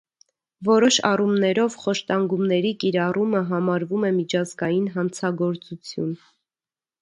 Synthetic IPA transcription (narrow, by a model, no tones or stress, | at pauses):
vɔɾɔʃɑ̰rumnɛɾɔvχɔʃt̪ɑŋɡumnɛɾikiɾɑruməɦɑmɑɾvumɛmit͡ʃʰɑzɡɑjinɦɑnt͡sʰɑɡɔɾt͡sut͡sʰjṵn